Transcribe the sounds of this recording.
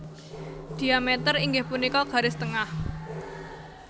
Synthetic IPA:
d̪̥i̤amɛt̪əriŋɡɪhpunikɔɡ̥a̤ɾɪst̪əŋah

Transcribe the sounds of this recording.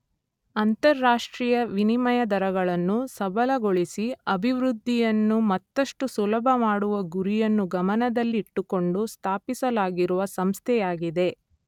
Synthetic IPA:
ɐnt̪ɐɾːaːʂʈɾijɐʋinimɐjɐd̪ɐɾɐɡɐɭɐnːusɐbɐlɐɡoɭisiɐbʱiʋɾud̪ʱːijɐnːumɐt̪ːɐʂʈusulɐbʱɐmaːɽuʋɐɡuɾijɐnːuɡɐmɐnɐd̪ɐlːiːʈːuko̞ɳɖust̪ʰaːpisɐlaːɡiɾuʋɐsɐmst̪ʰɛjaːɡid̪e̞

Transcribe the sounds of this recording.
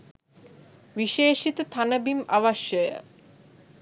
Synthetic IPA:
ʋiʃeːʃit̪ot̪ʰanɐbimaʋaʃəjə̰

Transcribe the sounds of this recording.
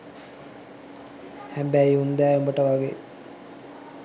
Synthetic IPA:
hæmbæiund̪æːombəʈəʋaɡḛː

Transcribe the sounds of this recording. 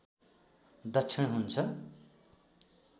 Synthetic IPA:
d̪ʌt͡sʰinɦunt͡sʰʌ

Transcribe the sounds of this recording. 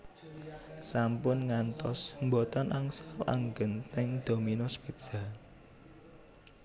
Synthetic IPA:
sampʊnŋant̪ɔsmbot̪ɔnʔaŋsara̰ŋɡənt̪ɛŋd̪̥o̤minospid̥ʒ̥a̤

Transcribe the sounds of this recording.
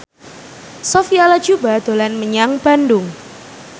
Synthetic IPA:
sofialḁd͡ʒubad̪̥o̤lanməɲaŋb̥andʊŋ

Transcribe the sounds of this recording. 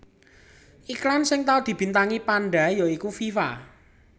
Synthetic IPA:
ʔiklansɪŋt̪aud̪̥i̤b̥i̤nt̪aŋipanɖa̤jɔikufifa̰

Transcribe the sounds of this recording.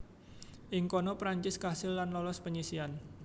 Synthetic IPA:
ʔɪŋkɔnɔpɾaɲt͡ʃɪskasɪlːanlɔlɔspəɲisian

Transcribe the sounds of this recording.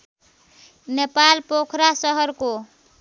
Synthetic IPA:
nepalpokʰɾasʌɦʌɾko

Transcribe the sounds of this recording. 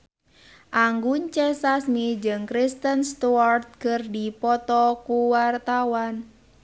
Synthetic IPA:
ʔaŋɡuɲt͡ʃɛsasmid͡ʒɨŋkɾist̪ənst̪uart̪̚kərdipɔt̪ɔkuwart̪awan

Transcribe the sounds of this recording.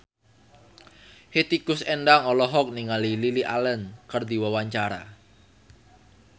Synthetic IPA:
het̪ikʊsɛnɖaŋɔlɔɦɔk̚niŋalililiʔalənkərd̪iwəwaɲt͡ʃaɾa̰

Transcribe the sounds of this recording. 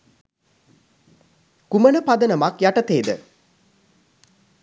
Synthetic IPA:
kumənəpad̪ənəmakjaʈət̪eːd̪ə̰

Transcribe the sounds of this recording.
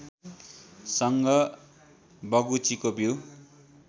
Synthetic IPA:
sʌŋɡʌ | bʌɡut͡sikobʱiw

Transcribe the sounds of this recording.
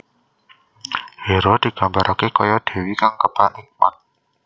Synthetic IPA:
heɾod̪̥i̤ɡ̥a̤mbaɾʔakekɔjɔd̥e̤wikaŋkəpanik̚ma̰t̪̚

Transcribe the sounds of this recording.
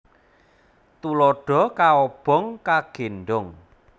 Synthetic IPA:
t̪ulɔɖ̥ɔ̤kaɔb̥ɔ̤ŋkaɡ̥e̤nɖʊŋ

